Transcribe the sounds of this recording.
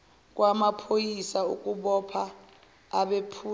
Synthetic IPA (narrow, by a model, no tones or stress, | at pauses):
k̬ʼwamapʰojisauk̬ʼuɓɔpʰaː | ɓepʰuː